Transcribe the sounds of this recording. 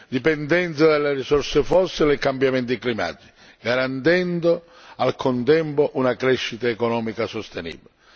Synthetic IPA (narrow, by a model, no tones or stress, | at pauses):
d̪ipɛnd̪ɛnt̪sad̪alːerisɔrsefɔsːilekambjamɛnt̪iklima̰d̪ːi̥ | ɡaɾant̪ɛnd̪o | alkʰont̪ɛmpoʔunakɾɛʃːit̪aekonɔːmikasost̪enḭːbilɪ